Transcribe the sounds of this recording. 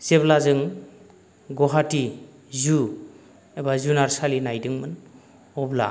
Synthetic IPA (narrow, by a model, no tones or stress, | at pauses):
seblazɯŋ | ɡɔɦati | zu | ebazunaɾsalinajdɯŋmɯn | ɔbla̰